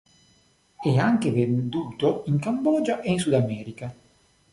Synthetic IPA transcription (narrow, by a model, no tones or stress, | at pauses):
ɛaŋkevend̪uːt̪oiŋkambɔːd͡ʒaʔeins̬ud̪amɛːɾika